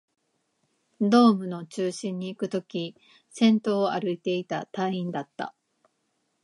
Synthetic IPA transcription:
d̪o̞ːmɯ̟no̞t͡ɕɨːɕĩɲ̟ːiːkɯ̟t̪o̞kʲi | sẽ̞nt̪o̞ːaɾɯ̟it̪e̞it̪at̪ãĩnd̪at̪ːa̰

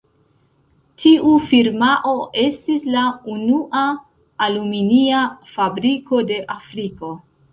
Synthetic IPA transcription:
tʰiʔufiɾmaʔo̞ʔe̞stislaunuʔaː | luminiafabɾiko̞de̞ʔafɾiko̞

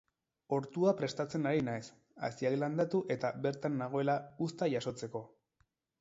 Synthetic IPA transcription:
o̞ɾt̪uapɾe̞st̪at͡se̞naɾinaes | a̰siakland̪at̪uʔe̞t̪aβe̞ɾt̪anːaɣ̞o̞e̞laust̪aʝaso̞t͡se̞ko̞

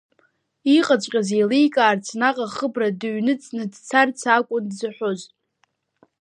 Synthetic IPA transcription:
iqʼat͡ʃʷʼqʲʼazelejkʼaːrt͡sʰnaqʼaχəbradɨɥnɨt͡sʼnɨdt͡sʰart͡sʰakʷʼʊndzɨħʷoz

